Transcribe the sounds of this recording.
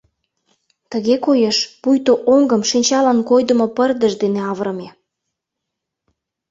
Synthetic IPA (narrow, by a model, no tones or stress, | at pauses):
t̪əɣekojeʃpujt̪oʔoŋɡəmʃinʲt͡ɕɑlɑnkojd̪əmopərd̪əʒd̪eneɑβəɾə̆me